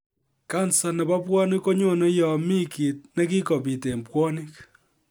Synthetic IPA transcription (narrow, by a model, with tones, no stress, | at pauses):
ka˦nsa˨nɛ˨ba˦pwɔ˦nɪ˦ko˦ɲo˦ne˦jɔ˨mi˦ki˨t̚ne˦ki˦ko˨pi˨te˨mpwɔ˦ni˦k